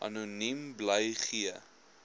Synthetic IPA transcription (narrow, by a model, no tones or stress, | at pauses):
ʔɐ̰nunimbləjχiə